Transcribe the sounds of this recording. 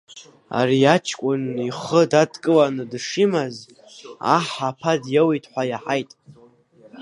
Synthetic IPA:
a̰riat͡ʃʰkʷʼʊniχədadkʼɨlanɨdʂimaz | a̰ħapʰadjawitʰʼħʷajaħajtʼ

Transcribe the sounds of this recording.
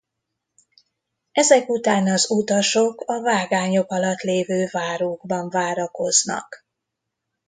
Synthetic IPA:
ɛzɛkut̪aːnɒzut̪ɒʃo̞kɒvaːɡaːɲo̞kɒlɒt̪leːvøːvaːɾoːɡbɒɱvaːɾɒko̞znɒ̰k

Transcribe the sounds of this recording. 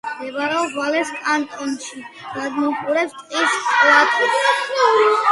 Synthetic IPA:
d̪ɛvaɾɛɔbvalɛsʼant̪ʼɔnʃi | ɡad̪mɔpʼuɾɛpst̪ʼqʼislat̪ʰid̪at̪sʰnauɾi

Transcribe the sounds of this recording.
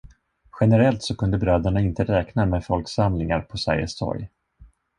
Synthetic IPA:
ɧɛnəɾɛlt̪sɔkʰɵnd̪əbɾœːd̪əɳaɪnt̪əɾɛːknamɛfɔlksamlɪŋa̰ɾpʰɔsa̰jə̰st̪ʰɔ̰ɾj

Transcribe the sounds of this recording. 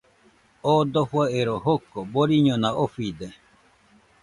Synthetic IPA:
od̪ohwaeɾoɦokoboɾiɲonaʔofid̪e

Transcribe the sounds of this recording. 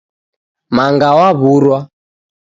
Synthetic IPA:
maŋɡawaβuɾwa

